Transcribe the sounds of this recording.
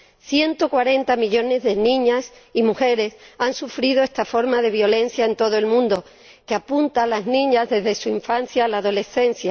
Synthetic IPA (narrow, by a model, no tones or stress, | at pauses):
θje̞nt̪o̞kwaɾe̞nt̪amiʎo̞ne̞zðe̞nĩɲasimuxe̞ɾe̞sansufɾið̞o̞e̞st̪afo̞ɾmaðe̞β̞jo̞lẽ̞n̟θjaent̪o̞ðoe̞lmũnd̪o̞ | keapunt̪alaznĩɲazðe̞zðe̞suiɱfan̟θjalaːðo̞le̞θe̞n̟θja